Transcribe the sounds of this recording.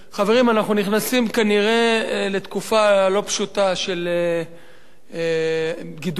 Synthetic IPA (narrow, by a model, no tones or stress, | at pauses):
χave̞ʁimanaχnuniχnasimkaniʁe̞le̞t̪kufalo̞pʃut̪aʃe̞le | ɡid